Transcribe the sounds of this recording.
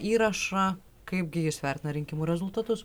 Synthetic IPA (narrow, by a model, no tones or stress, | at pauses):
iːɾɐʃɐ | kɐɪb̚ɡʲɪjɪsʋʲɛɾʲt̪ʲɪnɐɾʲɪŋʲkʲɪmuːɾʲɛzʊlˠt̪ɐt̪ʊs